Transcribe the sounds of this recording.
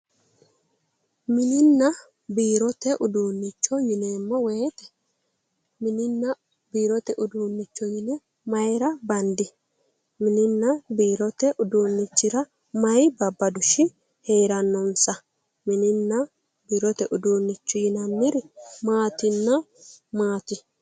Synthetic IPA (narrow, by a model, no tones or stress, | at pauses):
mɪnɪnːɐ | biːɾɔt̪ɛʔʊd̪uːnːɪt͡ʃːɔjɪneːmːɔweːt̪ɛ̥ | mɪnɪnːɐ | biːɾɔt̪ɛʔʊd̪uːnːɪt͡ʃːɔjɪnɛ | mɐjɾɐbɐnd̪ɪ | mɪnɪnːɐbiːɾɔt̪ɛʔʊd̪uːnːɪt͡ʃːɪɾɐ | mɐjbɐbːɐd̪ʊʃɪ | heːɾɐnːɔnsɐ | mɪnɪnːɐ | biːɾɔt̪ɛʔʊd̪uːnːɪt͡ʃːɔjɪnɐmːɪɾɪmaːt̪ɪnːɐ | maːt̪ɪ